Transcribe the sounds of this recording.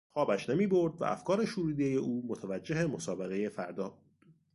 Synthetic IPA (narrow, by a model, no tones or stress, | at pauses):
xɒːbæʃnemiːbo̞ɾd̪væ̰ʔæ̰fkʰɒːɾe̞ʃuːɾuːd̪eje̞ʔuːmo̞t̪ʰævæd͡ʒːeɦe̞mo̞sɒːbe̞ɣe̞je̞fæɾd̪ɒːbud̪̥